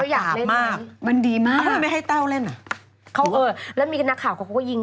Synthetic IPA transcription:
a˥˩wjaː˨˩le˥˨maː˧˥˩k̚ma˧ndiː˧maː˥˩a˥˧ma˥˩jɦa˥˩jt̪a˥˩wle˥˩na˧˩ | kʰa˦˥wʔɤː˧lɛ˦˥wmiː˧kʰa˧nːa˦˥kʰaː˨˩wkʰa˧˩kʰa˧˦˩kːɔː˥˩ji˧ŋ

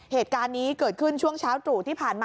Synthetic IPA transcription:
heː˨˩t̪̚kaː˧nːiː˦˥kɤː˨˩t̪̚kʰɯ˥˩nt͡ɕʰu˥˩əŋt͡ɕʰaː˦˥wt̪ɾuː˨˩t̪ʰiː˥˩pʰaː˨˩nmaː˧

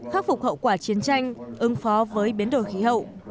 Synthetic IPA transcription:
xaː˦˥k̚fʊ˨˩k͡p̚hə̰˧˨wkwaː˧˩t͡ɕi˨˦ənt͡ɕa˧jŋ̟ʔɨ˨˦ŋfɔ˨˦vəː˨˦jɓi˨˦ənɗo˧˩jxi˨˦ɦə̰˧˨wʔ

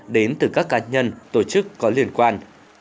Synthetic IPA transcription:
ɗe˨˦nt̪ɨ˨˩kaː˦˥kːaː˨˦ɲə˧nt̪o˧˩t͡ɕɨ˦˥kːɔ˨˦li˧˩ənkwaː˧n

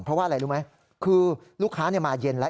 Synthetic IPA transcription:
npʰɾɔ˦˥waː˥˩ʔɾa˧jɾuː˦˥ma˦˥j | kʰɯː˧ | luː˥˩kʰaː˦˥ni˥˩maː˧je˧nla˦˥

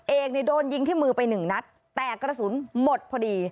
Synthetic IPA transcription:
ʔeː˨˩k̚ni˨˩doː˧nji˧ŋt̪ʰiː˥˩mɯː˧pa˧jnɯ˨˩ŋna˦˥t̪ːɛː˨˩kːɾa˧suː˩˦nmo˨˩t̪̚pʰɔː˧diː˧

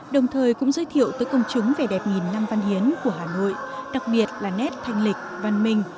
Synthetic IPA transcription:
ɗə˨˩wŋ͡mt̪ʰəː˨˩jkʊ̰˧˥ŋ͡mzəː˨˦jt̪ʰḭ˧˨əwt̪əː˨˦jkə˧wŋ͡mt͡ɕʊ˨˦ŋ͡mve˨˩ɗɛ˨˩p̚ŋi˨˩nːa˧mva˧nhi˨˦ənku˧˩əɦaː˨˩no̰˧˨jɗa˨˩k̚ɓi˨˩ət̚laː˨˩nɛ˦˥t̚t̪ʰa˧jŋ̟lï˨˩k̟̚va˧nmï˧ŋ̟

